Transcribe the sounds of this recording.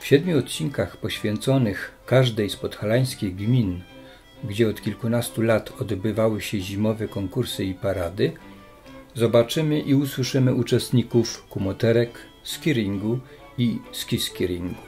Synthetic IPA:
fɕɛd̪mʲuɔt̪̚t͡ɕiŋkaxpɔɕfʲjɛnt̪sɔnɘxkaʐd̪ɛjspɔt̪xalaj̃skʲejɡmʲin | ɡd͡ʑɛɔt̪kʲilkunast̪ulat̪ʰɔd̪bɘvawɘɕɛʑimɔvɛkɔŋkuɾsɘipaɾad̪ɘ | zɔbat͡ʂɘmɘʔiuswɘʂɘmɘʔut͡ʂɛst̪ɲikufkumɔt̪ɛɾɛk | skʲiɾʲiŋɡu | iskʲiskʲiɾʲiŋɡu

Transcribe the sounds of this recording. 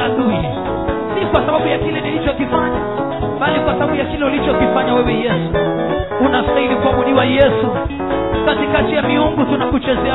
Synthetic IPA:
aɗuji | sikwasaɓaɓujakilɛnilit͡ʃɔkifaɲa | ɓalikwasaɓaɓujakilɛulit͡ʃɔkifaɲawɛwɛjɛsu | unaftailikuahuɗiwajɛsu | katikatijamiuŋɡutunakut͡ʃɛzɛa

